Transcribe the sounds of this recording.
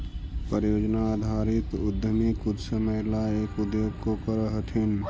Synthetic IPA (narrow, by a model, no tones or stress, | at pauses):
pəɾjoːd͡ʒnaːd̪ʱaɾɪt̪ʊd̪ʱəmikud̪səməjlaeːkʊd̪joɡkokəɾəɦət̪ʰin